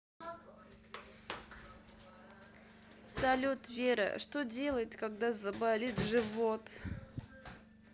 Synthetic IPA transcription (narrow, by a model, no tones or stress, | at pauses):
sɐlʲut̪vʲeɾə̰ʂt̪odʲe̞lˠəjɪt̪kaɡd̪azɐbalʲit̪ʐɨvot̪